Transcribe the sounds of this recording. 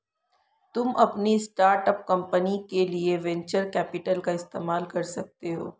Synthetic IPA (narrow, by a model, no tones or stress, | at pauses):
t̪ʊmʔɐpnisʈaːɾʈəp̚kɐ̃mpənikelieʋɛ̃ɲt͡ʃəɾkɛːpɪʈəlkaɪst̪eːmaːlkɐɾsɐk̚t̪eɦo̰ː